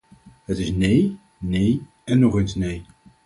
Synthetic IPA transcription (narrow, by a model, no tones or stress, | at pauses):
ɦətɪsnej | nej | ɛnːɔχensnej